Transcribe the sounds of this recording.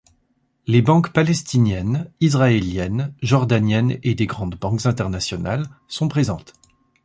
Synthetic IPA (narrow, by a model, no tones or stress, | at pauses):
lebɑ̃kpalɛst̪injɛnizʁaeljɛnʒɔʁd̪anjɛned̪eɡʁɑ̃d̪bɑ̃kzɛ̃t̪ɛʁnasjɔna̰lsɔ̃pχezɑ̃t̪